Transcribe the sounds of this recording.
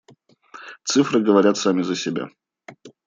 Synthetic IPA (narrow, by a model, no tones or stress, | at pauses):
t̪sɨfɾɨɡəvɐɾʲat̪samʲɪzəsʲɪbʲa̰